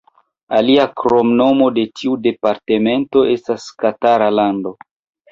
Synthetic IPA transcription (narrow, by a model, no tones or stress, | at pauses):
aliakɾo̞mno̞mo̞de̞tʰiude̞paɾte̞me̞nto̞ʔe̞staskataɾalando̞